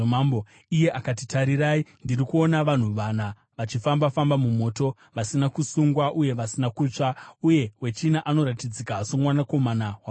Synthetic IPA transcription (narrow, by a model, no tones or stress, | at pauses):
abo | ije̞ʔakatitaɾiɾaindirikuo̞naʋan̤uʋana | ʋat͡ʃifambafambamumo̞ːto̞ | ʋasinakusuŋɡwaʔuje̞ʋasinakut͡ʂauje̞we̞t͡ʃinaʔano̞ɾatid͡zikasomwanako̞manawa